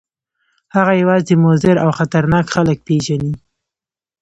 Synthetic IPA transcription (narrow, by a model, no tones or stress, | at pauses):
haɣajawɑzd̪əmʊzɪɾawxat̪aɾnɑkxalək̚peʒani